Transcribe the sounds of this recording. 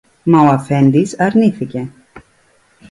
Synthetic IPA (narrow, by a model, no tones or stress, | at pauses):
mawafɛnd̪isaɾnifɪcɛ